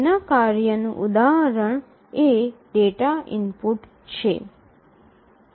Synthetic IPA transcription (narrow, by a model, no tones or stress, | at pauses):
nakaɾjənuʔud̪aɦəɾəɳ | eɖeʈaḭmpuʈ | t͡ʃʰḛ